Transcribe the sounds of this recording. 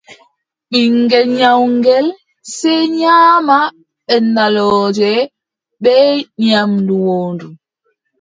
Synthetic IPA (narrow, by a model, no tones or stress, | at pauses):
ɓiŋɡɛlɲawŋɡɛl | sɛɲama | ɛnalɔd͡ʒɛ | ɓɛɲamnduwɔːndu